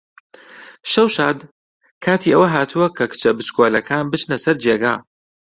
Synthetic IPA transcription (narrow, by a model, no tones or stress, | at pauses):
ʃɐwʃaːd̪ | kʰaːt̪ʰiːʔɐwɐɦaːt̪ʰuwɐkʰɐkʰɨ̥t͡ʃʰɐbɨt͡ʃkʰoːlɐkʰaːnbɨt͡ʃnɐsɐɾd͡ʒeːɡa̰ː